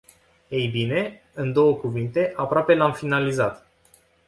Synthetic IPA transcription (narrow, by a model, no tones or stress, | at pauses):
ejbine̞ | ɨnd̪o̞wəkuvint̪e̞ʔapɾoape̞lamfinalizat̪